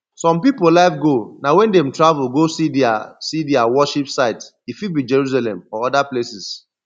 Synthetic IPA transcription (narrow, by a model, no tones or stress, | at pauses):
sɔ̃mpipolaɪfɡonawɛ̃ndẽm̩tɹavulɡosidasidiawɔʃipsaɪt | ifibid͡ʒɛɹus̬alɛ̃mɔɔdaplesis